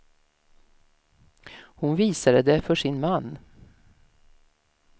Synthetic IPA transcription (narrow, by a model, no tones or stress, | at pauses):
hʊnviːsad̪əd̪ɛfœʂɪnmanː